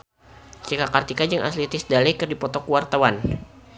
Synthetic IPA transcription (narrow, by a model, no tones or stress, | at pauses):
sikakart̪ikad͡ʒaŋʔa̰t̪lit̪ɪsdalɛkɨrdipɔt̪ɔkuwart̪awan